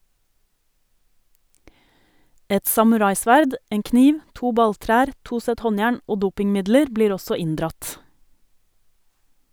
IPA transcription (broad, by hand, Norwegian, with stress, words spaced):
ˈɛt sɑmʉˈɾɑɪˌsʋæɾd ˈeːŋ ˈkniːʋ ˈtuː ˈbɑlˌtɾæːɾ ˈtuː ˈsɛt ˈhɔnˌjæːɳ ˈoː ˈduːpɪŋˌmɪdləɾ ˈbliːɾ ˈɔsɔ ˈɪndɾɑt